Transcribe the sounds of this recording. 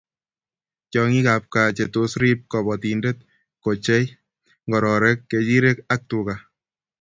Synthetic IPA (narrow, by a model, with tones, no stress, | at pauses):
t͡ʃɔ˧ŋi˦ka˨p̚ka˨t͡ʃe˨to˦sɾi˦p̚kɔ˨βɔ˨ti˨nde˦t̪̚ | ko˨t͡ʃe˦j | ŋɡɔ˨ɾɔ˨ɾɛ˦kːe˨t͡ʃi˦ɾe˦ka˦k̚tu˨ka˨